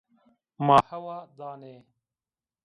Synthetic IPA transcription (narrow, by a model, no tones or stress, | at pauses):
maːhɐwaːd̪aːneː